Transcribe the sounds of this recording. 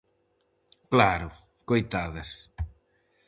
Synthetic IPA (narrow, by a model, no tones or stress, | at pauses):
klaɾʊ | kojt̪aðɐs